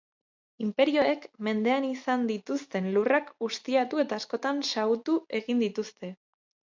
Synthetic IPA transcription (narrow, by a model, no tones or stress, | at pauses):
impe̞ɾio̞ekme̞nd̪e̞anisand̪it̪ust̪e̞nlurakɡust̪iat̪ue̞t̪aːsko̞t̪ansaut̪ue̞ɣind̪it̪ust̪e̞